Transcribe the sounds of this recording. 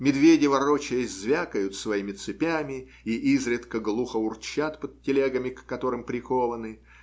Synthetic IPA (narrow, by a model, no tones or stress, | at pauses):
mʲɪd̪vʲedʲɪvɐɾot͡ɕɪjəzvʲakəjʊt̪svɐimʲɪt̪sɨpʲamʲɪ | iʔizɾʲɪt̪kəɡlˠuxəʊrt͡ɕːat̪pəd̪̚tʲːɪlʲeɡəmʲɪkːɐt̪o̞ɾɨmpɾʲɪko̞vənɨ